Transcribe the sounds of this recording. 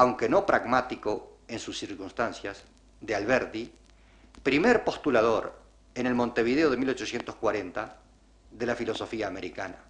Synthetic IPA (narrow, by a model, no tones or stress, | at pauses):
awŋke̞no̞pɾaɣmat̪iko̞ensusːiɾkunst̪ansjas | ðealβeɾt̪i | pɾimeɾpo̞st̪ulaðo̞ɾ | ene̞lmo̞nt̪e̞β̞iðeo̞ð̞e̞milo̞t͡ʃo̞sje̞nt̪oskwaɾent̪a | ðe̞lafilo̞so̞fiaːme̞ɾikana